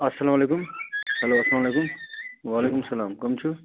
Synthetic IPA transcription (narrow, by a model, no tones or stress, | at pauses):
ɐsːɐlamɐleːkumhɐloɐslamɐlekumwaːleːkumsɐlaːmkomt͡ʃʰu